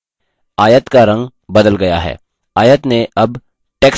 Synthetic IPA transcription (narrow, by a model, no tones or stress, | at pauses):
aːjət̪kaɾɐ̃ŋɡ | bɐd̪əlɡɐjaɦɛ̰ː | aːjət̪neʔɐb | ʈeːk